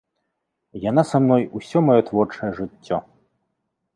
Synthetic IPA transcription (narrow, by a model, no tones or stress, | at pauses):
jan̪asamnɔjusʲɔmajɔt̪vɔrt͡ʂɐjɛʐɨt͡sʲːɔ